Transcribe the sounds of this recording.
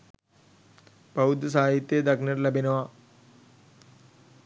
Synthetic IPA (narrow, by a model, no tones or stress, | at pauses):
bɐud̪ɐs̬aːjit̪ːjed̪ɐknɐɾlɐbʱinɐʋa